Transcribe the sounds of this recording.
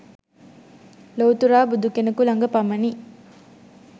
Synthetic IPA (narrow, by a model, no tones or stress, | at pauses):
lowt̪uɾaːbud̪ukenɐkulɐŋɡɐpɐmɐni